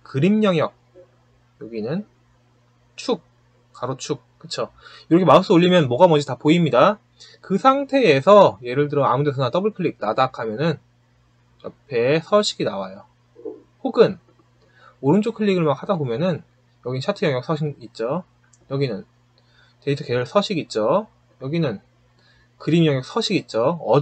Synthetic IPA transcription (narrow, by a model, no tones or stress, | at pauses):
kɯɾimɲʌŋjʌk̚ | jʌɡinɯn | t͡ɕʰuk̚ | k͈aɾot͡ɕʰuk̚k͈ɯt͡ɕʰo | iɾʌkʰemas͈uoʎːimjʌnmwʌɡamʌnd͡ʑitapoimɲida | kɯsʰaŋtʰe̞ːsʰʌje̞ɾɯɭt̬ɯɾʌa̰mundesʰʌnat͈ʌbɯɭkʰɯɭːik̚nadakʰamjʌnɯn | jʌpʰe̞sʰʌɕʰiɡina̰wajo | hoɡɯn | oɾɯnt͡ɕʰokʰɯɭʎːiɡɯɭmak̚hadabomjʌnɯn | jʌɡinɯnɕʰatʰɯjʌŋjʌk̚s͈ʰʌɕʰiŋit̚t͡ɕ͈o | jʌɡinɯn | teit͡ɕʰokeɯɭs͈ʰʌɕʰiɡit̚t͡ɕ͈o | jʌɡinɯn | kɯɾimjʌŋjʌk̚s͈ʰʌɕʰiɡit̚t͡ɕ͈oʌ